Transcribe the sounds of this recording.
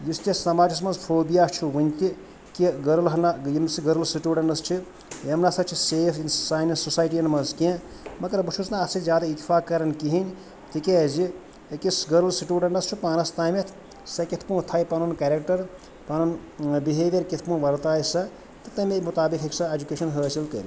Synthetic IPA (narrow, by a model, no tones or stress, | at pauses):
just̪esɐmaːd͡ʒis̬mɐzpʰoːbijat͡ʃʰuɦunʲt̪i | kiɡɐɾɐlɦɐnajinsiɡɐɾɐlsiʈjuːɖɐɳɖɐst͡ʃʰi | jemnasʰɐt͡ʃʰiseːfʰinsaːjnɐsosaːjʈiɐnmɐnzkẽ | mɐkɐɾbut͡ʃʰusnaːsʰizʲjaːd̪ait̪ːifʰaːkkːɐɾɐnkiɦinʲ | t̪ʰikezi | kisɡɐɾɐlsiʈʲjuːɖɐɳɖɐst͡ʃʰupaːnɐst̪ame | sɐkit̪ʰpũːt̪ʰajpɐnunkaːɾek̚ʈɐɾ | panunbiɦeːd̪eɾkit̪ʰpũːʋɐɾt̪aːjsɐ | t̪ɐt̪ɐmemut̪aːbikʰɦeksʰɐed͡ʒukeʃɐnɦəːt͡ʃilk̪ɐɾ